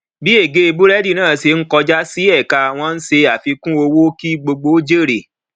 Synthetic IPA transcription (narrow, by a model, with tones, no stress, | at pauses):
bi˨˦e˦˨ɡe˦e˧bu˦ɾɛ˦di˦˨nãː˦˨se˧ŋ̩˦kɔ˧d͡ʒa˦si˦ɛ˦˨ka˧a˨w̃ɔ̃˧n̩˦se˧a˦˨fi˧kũ˦o˧wo˦ki˦ɡ͡bo˧ɡ͡bo˦d͡ʒe˦˨ɾe˨